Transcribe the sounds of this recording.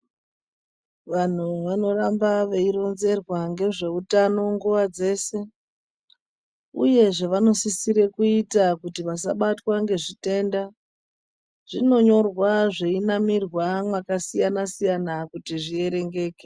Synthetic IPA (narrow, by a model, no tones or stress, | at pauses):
ʋan̤uʋano̞rambaʋe̞iɾo̞nze̞rwaŋɡe̞ʐe̞utano̞ŋɡuʋad͡ze̞ːse̞ | ṵje̞ʐe̞ʋano̞sisiɾe̞kuitakutiʋas̬a̰ɓatwaŋɡe̞ʐite̞ːnda | ʐ̥ino̞ɲo̞rwaʐeinamirwamwakasijanasijanakutiʐie̞ɾe̞ŋɡe̞ːke